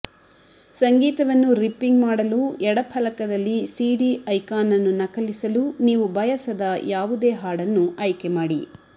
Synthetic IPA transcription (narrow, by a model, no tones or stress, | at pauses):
sɐŋɡiːt̪ɐʋɐnːuɾipːiŋɡmaːɽɐluɛɽɐpʰɐlɐkɐd̪ɐlːisiːɖiɐjkaːnɐnːunɐkɐlisɐluniːʋubɐjɐsɐd̪ɐjaːʋud̪eːɦaːɽɐnːuɐjkemaːɽi